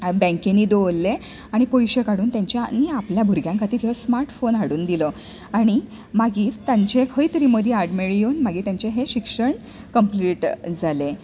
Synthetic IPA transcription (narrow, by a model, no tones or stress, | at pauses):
bɛ̃ŋkeniːd̪olːe | aɽ̃ipojɕekaɽuːnt̪jãɲt͡ɕjaniːapljabʱuɾɡjãŋkʰat̪iːɾiəsmaɾʈfonaɽuːnd̪ilə | aɽ̃i | maɡiːɾt̪ãɲt͡ɕekʰəjt̪əɾiːməd̪ʱjeaɾɖmeɭjoːnmaɡiːɾt̪jaɲt͡ɕeɦeɕikʂəɳ | kəmpliːʈd͡zale